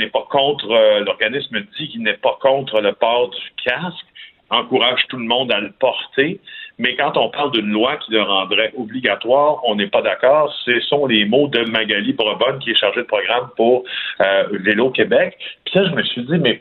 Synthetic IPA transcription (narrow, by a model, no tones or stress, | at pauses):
nɛpakɔ̃t̪χəlɔʁɡanɪsməd͡zikʲinɛpakɔ̃t̪χələpɑːʁd̪ykʲʰask | ɑ̃kuʁaːʒ̥t̪ulmɔ̃d̪aləpɔʁt̪emɛkɑ̃t̪ɔ̃paʁld̪ynlwakʲiləʁɑ̃ːd̪ʁɛʔɔbliɡʲat̪waːʁɔ̃nɛpad̪akɑːʁsəsɔ̃lemod̪əmaɡalibʁɔbɔnkʲiɛʃaʁʒed̪əpʁɔɡʁampuʁ | velokʲebɛkpi̥laʒəməsɥid͡zimɛ